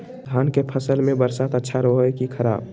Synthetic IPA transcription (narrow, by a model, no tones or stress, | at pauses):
d̪ʱaːnkepʰəsəlmẽbəɾsat̪ətːʃʰaɾəɦoekikʰəɾa̰ːb̚